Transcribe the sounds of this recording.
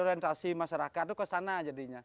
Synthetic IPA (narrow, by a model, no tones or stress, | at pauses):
ɔɾɛnt̪asimaʃaɾakat̪̚ːukəsanad͡ʒadiɲa